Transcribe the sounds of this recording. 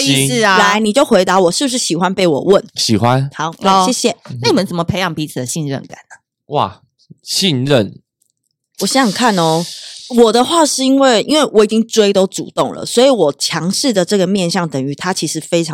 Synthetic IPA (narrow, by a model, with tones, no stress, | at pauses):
la˧˦ɪni˨˩t͡ɕjo˥˩ʊxwe˧˥ɪt̪a˧˥˦wɔ˨˩ʂɻ̩˥˩bu˧ʂ̬ɻ̩˥˩ɕi˨˩xwa˦npe˥˩ɪwɔ̰˨˩wə˥˨nɕi˨˩xwa˦na˧˥ɕjɛ˥˧ɕjɛ˥˩sa˥ni˨mə˦nt͡sə˨˩mə˦˩pʰe˧ɪjɑ˨˩ŋpi˧˥t͡s̩ʰ˨˩d̪ə˨˦ɕi˥˧nɻə̰˥˩nka̰˨˩nə˩ | wa̰˥˩ | ɕi˥˧nɻə˥˨n | wɔ˨˩ɕɛ˥˨˩ŋkʰa˥˨nɔ˧˦wɔ˨˩d̪ə˦xwa˥˧ʂɻ̩˥˩i˥nwe˥˩ɪḭ˥nwe˥˩ɪwɔ˧˥˩i˨˩t͡ɕi˦˥ŋt͡swe˥ɪt̪o˥ʊʈ͡ʂṵ˨˩t̪o˥˨˩ŋlə̰˩swɔ˧˥i˨˧˦wɔ˨˩t͡ɕʰjɑ˧˥ŋʂɻ̩˥˩d̪ə˩ʈ͡ʂɤ˥˩ɡə˩mjɛ˥˨nɕjɑ˥˩ŋt̪ə˨˩ŋy˧˥˦t̪ʰa˦˥t͡ɕʰi˧˥ʂɻ̩˧˥fe˥ɪʈ͡ʂʰɑ˧